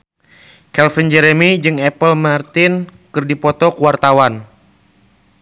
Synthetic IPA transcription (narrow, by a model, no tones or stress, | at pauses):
kɛlfənd͡ʒɛɾɛmid͡ʒɨŋɛpəlmart̪ɪnkɨrdipɔt̪ɔkuwart̪awan